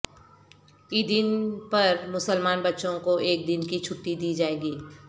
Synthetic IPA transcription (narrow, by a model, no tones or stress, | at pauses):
iːd̪ɪnpɐɾmʊsəlmaːnbɐtːʃõkoʔeːk̚d̪ɪnkit͡ʃʰʊʈːid̪iːd͡ʒaːeːɡiː